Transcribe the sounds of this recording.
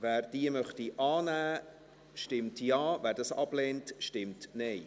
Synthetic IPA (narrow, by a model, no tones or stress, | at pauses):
væːɾd̥iəmœχtiʔɑːnæː | ʃtɪmtjɑːvæːɾdɑsɑ̰b̥lɛːntʃtɪmtnɛɪ